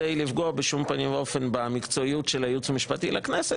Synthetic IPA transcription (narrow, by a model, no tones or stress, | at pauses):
ejlifɡoabeʃumpanimveo̞fe̞nbamikt͡so̞ijutʃelajut͡samiʃpatilaknese